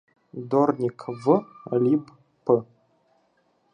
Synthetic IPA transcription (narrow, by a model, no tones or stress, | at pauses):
d̪ornʲikʰvɨlʲib | pːə